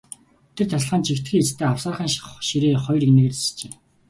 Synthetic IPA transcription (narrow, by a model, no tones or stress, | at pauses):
t̪ʰĕrt̪ʰaɮ̆ɮχəːnt͡ɕʰikt̪xʲiːet͡st̪ʰeːaw̥saːχiːnʃiɾeːχɔjrikneːɣɘ̆ɮst͡ɕe